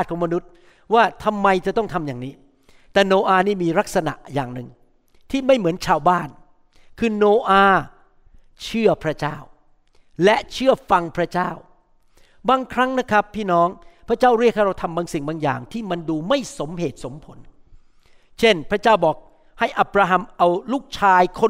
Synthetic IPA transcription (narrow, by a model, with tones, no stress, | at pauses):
t̚kʰɔː˩˦ma˧nu˦˥t̪̚ | waː˥˩t̪ʰa˧mːa˧jt͡ɕa˨˩t̪ɔ˥˩ŋt̪ʰa˧mjaː˨˩ŋniː˦˥ | t̪ɛː˨˩noː˧ʔaː˧niː˥˩miː˧ɾa˦˥k̚sa˧na̰˨˩ʔja̰ː˨˩ŋnɯ˨˩ŋ | t̪ʰiː˥˩ma˥˩jmɯ˩˦ənt͡ɕʰaː˧wbaː˥˩n | kʰɯː˧noː˧ʔaː˧ | t͡ɕʰɯ˥˩ɐpʰɾa˦˥t͡ɕaː˥˩w | lɛ˦˥ʔt͡ɕʰɯ˥˩əfa˧ŋpʰɾa˦˥t͡ɕaː˥˩w | baː˧ŋkʰɾa˦˥ŋna˦˥kʰɾa˦˥pʰːiː˥˩nɔː˦˥ŋpʰɾa˦˥t͡ɕaː˥˩wɾi˥˩k̚ʰːa˥˩ɾa˧˩wt̪ʰa˧mbaː˧ŋsi˨˩ŋbaː˧ŋja̰ː˨˩ŋt̪ʰiː˥˩ma˧nduː˧ma˥˩jso˩˦mɦeː˨˩t̪̚so˩˦mpʰo˩˦n | t͡ɕʰe˥˩npʰɾa˦˥t͡ɕaː˥˩wbɔː˨˩k̚ | ha˥˩jʔa˦˩p̚ɾaː˧ɦa˧mʔa˧wluː˥˩k̚t͡ɕʰaː˧jkʰo˧